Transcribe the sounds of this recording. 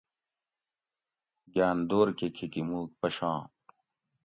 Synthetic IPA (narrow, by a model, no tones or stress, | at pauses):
ɡjaːnd̪oːɾkekʰekimuːk̚pɐɕãː